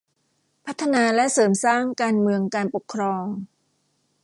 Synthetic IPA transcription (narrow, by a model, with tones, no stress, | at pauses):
pʰa˦˥t̪ʰːa˧naː˧lɛ˦˥ʔsɤː˩˦msaː˥˩ŋkaː˧nmɯ˧əŋkaː˧npo˨˩kʰːɾɔː˧ŋ